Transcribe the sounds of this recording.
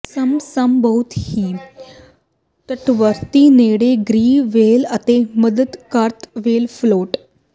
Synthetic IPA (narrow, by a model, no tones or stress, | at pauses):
səmsambəwt̪hi | t̪əʈʋəɾt̪ineɽeɡɾiːʋelat̪eməd̪əd̪kaɾt̪ʋelfloʈ